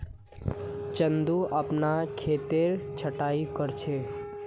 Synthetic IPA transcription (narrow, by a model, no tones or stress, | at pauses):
t͡ʃənd̪uʔaːpnakʰet̪eɾt͡ʃʰəʈaikəɾt͡ʃʰe